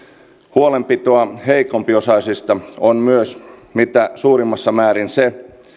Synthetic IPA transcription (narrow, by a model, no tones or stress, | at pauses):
huolempit̪oɑheikompiosɑisist̪ɑonmyøsmit̪æsuːrimːɑsːɑmæːɾinse